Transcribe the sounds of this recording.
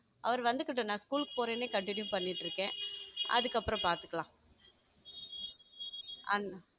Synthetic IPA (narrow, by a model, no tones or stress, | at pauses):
ʔɐʋɐɾʋɐnd̪ɯkɪʈːõnãːskuːlkːɯ̥poːɾeːneːkɐɳʈɪnjũpɐɳːɪʈːɾɯkːẽːʔɐ̰ðɯkːɐpːɯɾɔ̃paːɾt̪ɯ̥kːɐlãː | ʔɐn